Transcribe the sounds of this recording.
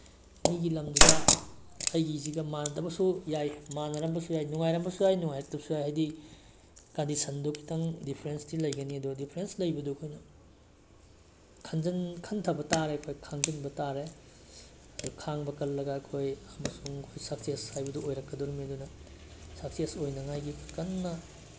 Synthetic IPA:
miɡilɐmduda | ɐjɡiziɡɐmandɐbɐsujajmanɐɾɐmbɐsujajnuŋajɾɐmbɐsujajnuŋajɐk̚tɐbɐsujajɦajdi | kandisɐndokʰːi̥tɐŋdipʰɾenstilɐjɡɐniɐdudipʰɾenslɐjbɐdukʰojnɐ | kʰɐnzɐnkʰɐntʰɐbɐtaɾeɐkʰojkʰaŋɡinbɐtaɾe | ɐdukʰaŋbɐkɐlːɐɡaɐkʰojɐmɐsuŋkʰojsak̚sijashajbɐduojɾɐkːɐdɔɾumiɐdunɐsak̚siasojnɐŋajɡikʰkɐnːɐ

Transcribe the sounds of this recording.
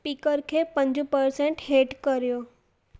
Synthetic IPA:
pikəɾkʰepə̃ɲd͡ʑũpəɾsẽɳʈɦeʈkəɾjo

